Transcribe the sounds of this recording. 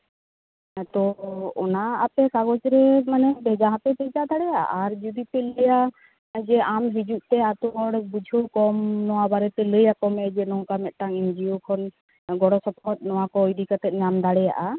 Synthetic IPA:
t̪ɔɔnaːpɛkaɡɔt͡ʃɾɛmanɛbɛd͡ʒaɦãp̪ɛbɛd͡ʒad̪aɽɛjaʔa̰ʔaɾd͡ʒud̪ipɛləja | d͡ʒɛamɦid͡ʒuʔt̪ɛat̪ubɔɽɛbud͡ʒʱəwkɔmnɔwabaɾɛt̪ɛləjakɔmɛd͡ʒɛnɔŋkamɛt̪̚ʈaŋind͡ʒiokʰɔn | ɡɔɽɔsɔpʰɔt̪̚ˀnɔw̃akɔːjɖikat̪ɛt̪̚ɲamd̪aɽɛja̰ʔa

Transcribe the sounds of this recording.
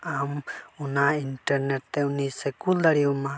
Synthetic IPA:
amunainʈɛɾnɛt̪ːɛunisɛkuld̪aɾiuma

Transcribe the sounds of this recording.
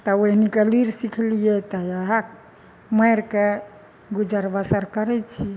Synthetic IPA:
t̪ɔoɦnikeliɾsikʰlijɛt̪ɔjaɦak | məjɾke | ɡud͡ʒəɾbasəɾkəɾɛt͡ʃʰi

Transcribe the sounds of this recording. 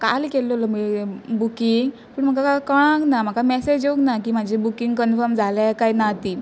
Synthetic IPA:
ka̰likelɔlɔmibukiŋɡ | pəɳm̤əkakakəɽ̃ãknam̤akamɛsed͡ʑoknakiːmad͡ʑʱebukiŋɡkənfəɾmd͡zʱalakajnat̪i

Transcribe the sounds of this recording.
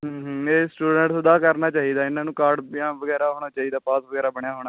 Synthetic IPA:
ɦəːɦeːsʈuːɖəɳʈsəd̪aːkəɾnaːt͡ʃaːiːd̪aːɪnãːnũːkaːɾɖjãːʋəɡɛːɾaːɦoːɽ̃aːt͡ʃaːiːd̪aːpaːsʋəɡɛːɾaːbəɽjaːɦoːɽ̃aː

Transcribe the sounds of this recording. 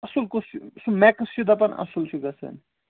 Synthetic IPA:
ɐsulkossumɛksjud̪ʱapɐnɐ̰sulsuɡasʰɐ̰n

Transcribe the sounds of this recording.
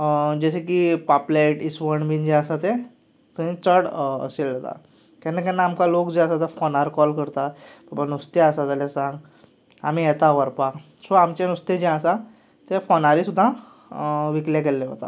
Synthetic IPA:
d͡ʑəɕek̬ipaplaiʈisʋəɳbind͡ʑɛ̃əsat̪ẽ | t̪uɦĩt͡səɽə̰seld͡zat̪a̰ | kɛnːakɛ̃nːaːmkalokd͡ʑeəsat̪əfɔnaɾkɔlkəɾt̪ababanust̪eəsat̪alãsãŋɡ | a̰m̤ĩjɛt̪aʋəɾpa | sɔamt͡ɕenust̪ed͡ʑɛ̃əsa | t̪ɛfonaɾisud̪ʱːã | ʋiklakelːɛɦo̰t̪a̰

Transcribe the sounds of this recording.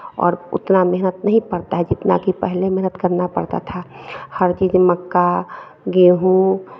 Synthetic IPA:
ɔ̰ːɾʊ̰t̪nameɦnət̪nəɦĩpəɾt̪aɦɛd͡ʒɪt̪na̰kipəɦlemeɦnət̪kəɾnapə̰ɽt̪a̰t̪ʰahəɾt͡ʃiːd͡ʒməkːa | ɡeɦũ

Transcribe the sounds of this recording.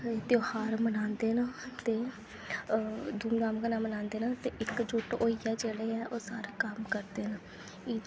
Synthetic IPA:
t̪joːhaːɾmənãːnd̪eːnaːt̪eː | d̪uːmd̪aːmkənãːmənãːnd̪eːnaːt̪eːʔɪkd͡ʒʊʈoːiːɛːd͡ʒeːɽeːɛːʔoːsa̰ːɾkəmkəɾd̪eːnaː | iː

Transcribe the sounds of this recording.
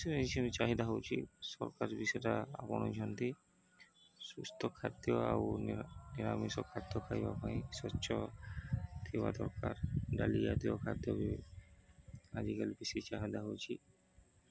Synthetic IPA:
sɔit͡ʃʰinit͡ʃaɦid̪aɦowt͡ʃʰisɔ̰ɾkaɾbisɔtaapɔnɔd͡ʒʱɔnt̪i | sust̪ʰɔkʰːad̪jɔa̰wniɾamisɔkʰːad̪jɔkʰajba̰pajsɔɕʰɔ | d̪ʰewa̰d̪ɔɾka̰ɾdalijad̪iɔkʰad̪jɔbi | ad͡ʒikalibisit͡ʃaɦid̪aɦowt͡ʃʰi

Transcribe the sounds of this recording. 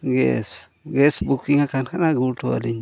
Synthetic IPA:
ɡḛs | ɡesbukiŋakanhanaɡutua̰liɲ

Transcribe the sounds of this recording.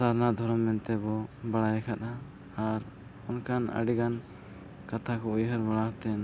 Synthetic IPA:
saɾnad̪ʱɔɾɔmːɛnt̪ɛbɔbaɽajɛkʰat̪a | aɾ | ɔnkanə̰ɽiɡan | kat̪ʰakɔujɦəɾbaɽaht̪ɛn

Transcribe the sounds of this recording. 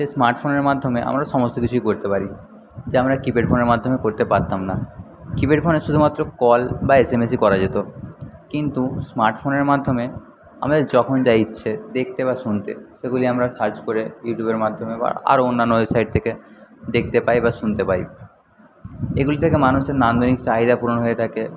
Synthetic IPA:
ʃesmaɾʈfoneɾmad̪ʱːomeʔa̰mɾaʃɔmost̪okit͡ɕʰuikoɾt̪epaɾi | d͡ʑeamɾakibeɖfoneɾmad̪ʱːomekoɾt̪epaɾt̪amna | kibeɖfoneʃud̪ʱumat̪ːɾokɔlbaesemes̬ikɔɾad͡ʑet̪okint̪usmaɾʈfoneɾmad̪ʱːome | a̰mad̪eɾd͡ʑɔkʰond͡ʑajtːɕʰed̪ek̚ʰt̪eβaʃunt̪ḛʃeɡuliamɾaʃaɾd͡ʑkoɾejuʈjubeɾmad̪ʱːomeba̰a̰ɾonːanːoesajʈ̚t̪ʰeked̪ekʰt̪epajbaʃunt̪epaɾi | eɡulit̪ʰekemanuʃeɾnand̪ʱonikt͡ɕaɦid̪apuɾonoɦoet̪ʰake

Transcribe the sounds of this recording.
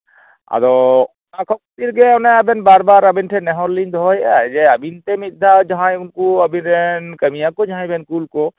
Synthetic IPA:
a̰d̪ɔ | nakʰɔk̚t̪iɾɡɛɔnɛabɛnbaɾbaɾabɛnʈʰɛnɛɦɔɾlind̪ɦɔjad͡ʒɛabint̪ɛmid̪ʱad͡ʒaɦãjunkuabinɾɛnkəmijakɔd͡ʒaɦãjbɛnkulkɔ

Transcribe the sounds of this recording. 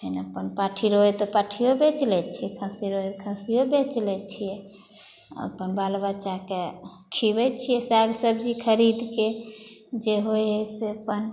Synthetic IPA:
ɦənəpənpaʈʰiɾoɦɛt̪ɔpaʈʰijobet͡ʃlɛt͡ʃʰijɛkʰãsiɾoɛt̪kʰãsiobet͡ʃlɛt͡ʃʰijɛ | ə̰pənbalbəːt͡ʃake | kʰibɛt͡ʃʰijɛsaɡsəbd͡ʒikʰəɾid̪ke | d͡ʒeɦojɦeseəpən

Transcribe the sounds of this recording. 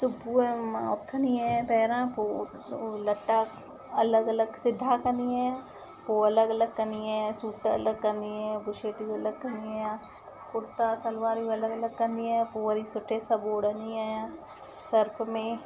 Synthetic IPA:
sʊbʱuɛmaːʊt̪kʰɐniɛ̃pɛːɾãpoː | lɐʈːa | ɐləɡɐləɡsɪd̪ʱːakɐniɛ̃ | poːɐləɡɐləɡ̚kɐniɛ̃suːʈɐ̰ləɡ̚kɐniɛ̃bʊʃeːʈiɐləɡ̚kɐnijã | kʊɾt̪asɐlʋaːɾiɐləɡələɡ̚kɐniɛ̃poːɾisʊʈʰːesɐboːɽɐniɛjã | səɾpmẽ

